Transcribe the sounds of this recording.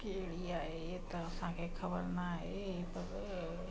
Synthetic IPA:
keliaːe | t̪osãkekʰəbəɾnaɦepəɾ

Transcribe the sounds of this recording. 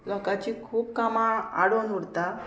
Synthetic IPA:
lɔkat͡ɕiːkʰuːpkamaa̰ɽonɦuɽt̪a

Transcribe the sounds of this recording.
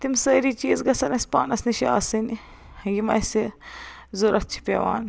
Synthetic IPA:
t̪imsəːɾiːt͡ʃiːzɡɐsɐnɐsʲpaːnɐsniʃiaːsɨn | ɡimɐ̰jse | zuɾʔɐt͡ʃʰi̥pʲḛʋa̰ːn

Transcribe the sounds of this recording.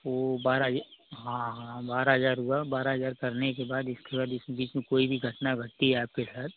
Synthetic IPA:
ʋobaːɾaɦəaɦãɦããbaːɾaɦɐzaːɾɦʊabaːɾaɦəzaːɾkɐɾnek̬ebaːd̪ɪskebaːd̪ɪsẽbiːt͡ʃmẽkoːibʱiɡʱɐʈnaɡʱɐʈ̪ːiɦɛaːp̚kesaːt̪̚ʰ

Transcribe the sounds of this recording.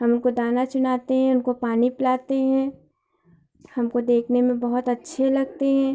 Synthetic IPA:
ɦɐmʊnkod̪aːnat͡ʃʊnaːt̪eɦɛ̃ʊnkopaːnipɪlaːt̪eɦɛ̃ː | hɐmkod̪eːkʰnemẽbɐɦʊt̪ɐtːʃʰelɐɡ̚t̪eɦɛ̃ː

